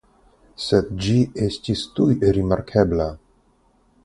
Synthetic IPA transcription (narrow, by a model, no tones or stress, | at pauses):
sed̪̚d͡ʒiestistujɾimaɾkʰebla